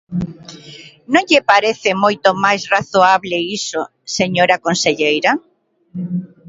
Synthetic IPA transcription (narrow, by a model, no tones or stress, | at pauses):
nõŋʎɪpaɾeθɪmojt̪omajsraθoaβleiso | seɲoɾakonseʎejɾa